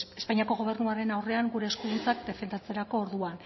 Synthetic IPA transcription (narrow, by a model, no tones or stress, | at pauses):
espaɲiako̞ɣ̞o̞β̞e̞ɾnuaɾe̞nawre̞aŋɡuɾe̞ːskuðunt͡sakd̪e̞fe̞nd̪at͡se̞ɾako̞ːɾðuan